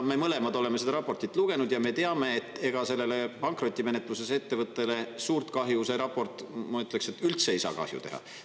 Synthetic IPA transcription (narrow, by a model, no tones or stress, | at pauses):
me̞mɤle̞mɑd̪o̞le̞mesed̪ɑɾɑpːˑo̞rt̪it̪ːˑluɡ̥e̞nud̪jɑme̞t̪e̞ɑme̞ːt̪ːˑe̞ɡ̥ɑse̞lːe̞le̞pɑŋkro̞t̪ʲːˑime̞ne̞t̪ˑluse̞se̞t̪ːe̞vɤt̪ːe̞le̞suːrt̪kɑɦjuse̞ɾɑpːo̞rt̪ˑmɑyt̪ːˑlekse̞t̪ːˑylt̪seejsɑ̰ːkɑ̰hjṵt̪e̞ɦɑ̰